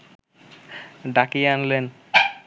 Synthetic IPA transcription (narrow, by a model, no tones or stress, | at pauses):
ɖakianlen